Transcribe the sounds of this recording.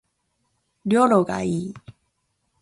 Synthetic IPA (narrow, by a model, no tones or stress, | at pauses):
ljɔloka̰i